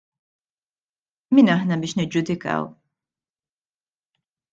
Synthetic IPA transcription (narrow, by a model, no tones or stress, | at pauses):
miːnɐħnɐbɪːʃnɛd͡ʒʊd̪ɪkɐ̰w